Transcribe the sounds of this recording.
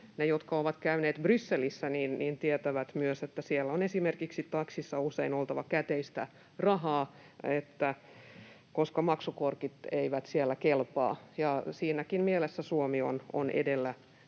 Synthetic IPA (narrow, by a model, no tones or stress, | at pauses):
nejot̪kɑoʋɑt̪kæyneːt̪brysːelisːæniːnniːnt̪iet̪æʋæt̪myøset̪ːæsielːonesimerkiksit̪ɑksisːɑuseinolt̪ɑʋɑkæt̪eist̪æ | rɑɦɑː | et̪ːæ | koskɑmɑksukorkit̪eiʋæt̪sielːækelpɑ̰ːjɑsiːnækinmielesːæsuomio̰no̰nḛdelːæ